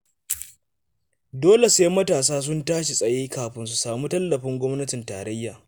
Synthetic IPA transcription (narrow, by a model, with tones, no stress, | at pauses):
doː˦le˨su˨˦jmɐ˦taː˨s̬aː˦s̬ʊ˦ntaː˦ʃe˨sʼɐ˨jeː˦kaː˨ɸɪ˨nsu˨saː˨muː˦tɐ˦lːɐ˨ɸɪ˦ŋɡʷɔ˦mnɐ˦tɪ˨nta̰ː˨ɾɐ˦jːaː˨